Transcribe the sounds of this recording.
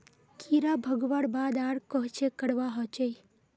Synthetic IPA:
kʰiɾabʱəɡʋaɽbaːd̪aɽkɔɦt͡ʃekəɽʋaɦɔt͡ʃej

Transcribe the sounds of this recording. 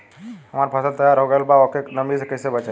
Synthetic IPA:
ɦəmaɾpʰəsəlt̪əjaɾɦoɡəelbaokenəmisekəɪsebət͡ʃa

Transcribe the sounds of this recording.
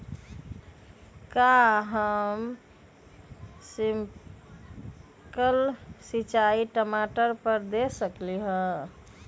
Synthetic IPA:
kaɦəm | sim | kəlsit͡ʃaiʈəmaʈəɾpəɾd̪esəkliɦə̃

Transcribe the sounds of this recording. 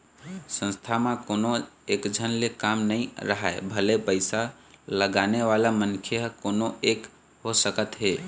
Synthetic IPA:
sə̃nst̪ʰamãkonoekd͡ʒʱənlekamnəĩɾəɦaebʱəlepəɪsa | ləɡaneʋalamənkʰjəɦkonoek | ɦosəkət̪ɦe

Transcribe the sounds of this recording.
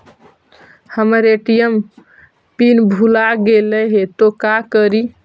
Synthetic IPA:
həməɾeʈijəm | pinbʱulaɡeləɦet̪okakəɾi

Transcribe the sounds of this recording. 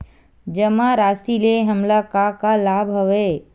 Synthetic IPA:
d͡ʒɐmaɾaːsileɦɐmlakakalaːbɦɐʋeː

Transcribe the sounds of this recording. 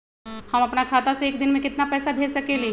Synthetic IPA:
hɐmɐpnakʰaːt̪aseeːkd̪ɪnmẽkɪt̪napɛːsabʱeːd͡ʒsɐkeːli

